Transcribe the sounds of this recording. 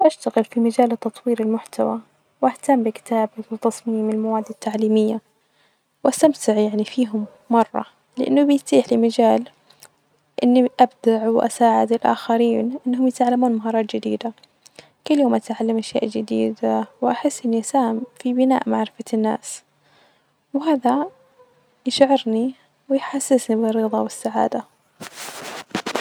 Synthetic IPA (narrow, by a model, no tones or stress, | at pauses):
ʔaʃt̪aɣɪlfimad͡ʒaːlt̪ːɑt̪ˤwiːɾɪlmʊħt̪ʰawa | wʔaht̪amːbɪkɪ̥t̪aːbɪwt̪ɑsˤmiːmɪlmawaːd̪ːat̪ːaʕliːmɪjːa | wʔast̪amt̪ɪʕjaʕnifiːɦʊmːɑrˤːɑ̰ | lɪʔɪ̰nːʊbɪjt̪iːħlɪmad͡ʒaːl | ʔɪnːiʔabd̪aʕwʔa̰saːʕɪd̪ɪlʔa̰ːxaɾiːnʔɪnːɦʊmjɪt̪ʕalːamuːnmaɦɑːɾˤɑːt̪d͡ʒɪd̪ḭːd̪a | kʊlːjoːmʔat̪ʕalːamʔaʃja̰ːʔd͡ʒɪd̪ḭːd̪awʔaħɪsːʔɪnːiʔasaːhɪmfibɪna̰ːʔmaʕɾɪfanːa̰ːs | wɦaːða | jɪʃʕɪɾni | wɪjħasːɪsnibɪrːɨðˤɑwɪsːaʕa̰ːd̪a